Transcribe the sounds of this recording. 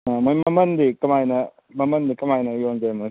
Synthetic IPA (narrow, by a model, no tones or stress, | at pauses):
amojmɐmɐnd̪ikɐmajnɐ | mɐmɐnd̪ikɐmajnɐjoŋd͡ʒajmɐ